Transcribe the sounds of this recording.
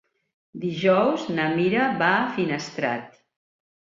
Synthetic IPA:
d̪iʒɔwznəmiɾaβaːfinəst̪ɾa̰t̪

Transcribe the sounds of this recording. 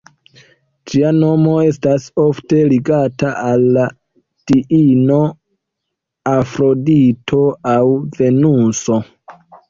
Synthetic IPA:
d͡ʒiano̞mo̞e̞staso̞fte̞liɡataʔalːa | d̥iʔino̞ | afɾo̞ditʰo̞awve̞nuso̞

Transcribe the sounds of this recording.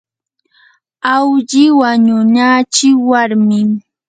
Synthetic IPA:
awʎɪwaɲʊnat͡ʃɪwaɾmɪ

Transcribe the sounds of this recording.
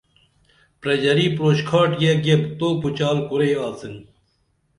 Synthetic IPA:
pɾɐd͡ʑɐɾiːpɾoːɕkʰaːʈjeɡebt̪oːput͡ɕaːlkuɾejʋaːt͡sin

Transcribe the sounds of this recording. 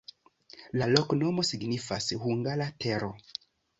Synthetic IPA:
lalɔknomosiɡnifashuŋɡalatʰeɾo

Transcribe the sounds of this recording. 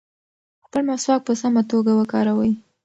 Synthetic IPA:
xpəlmaswɑk̚pəsamat̪oɡawəkɑɾawəj

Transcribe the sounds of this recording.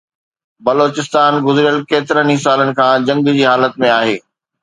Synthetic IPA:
bɐloːt͡ɕɪst̪aːnɡʊzɾijəlkeːt̪ɪɾənĩsaːlənɪ̆kʰãːd͡ʑɐ̃ŋɡd͡ʑiːɦaːlət̪mẽaːɦeː

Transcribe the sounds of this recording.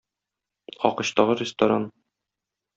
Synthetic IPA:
ɒ̰qɤ̆ɕt̪ɒʁɤrʲɪst̪ɐɾan

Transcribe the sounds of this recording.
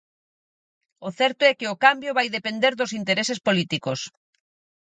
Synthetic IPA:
oθɛɾt̪oɛkɪokambjoβajðepend̪eɾðʊsint̪eɾesespolit̪ikos

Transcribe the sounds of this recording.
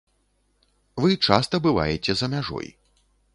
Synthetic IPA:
vɨt͡ʂast̪ɐbɨva̰jɛt͡sʲɛzɐmʲaʐɔ̰j

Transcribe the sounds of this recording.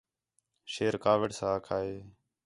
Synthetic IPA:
ʃeːɾkaːʋəɖsãːkʰaːeː

